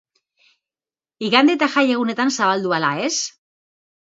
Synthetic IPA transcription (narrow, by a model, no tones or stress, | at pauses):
iɣand̪et̪axaje̞ɣune̞t̪ansaβald̪ualaes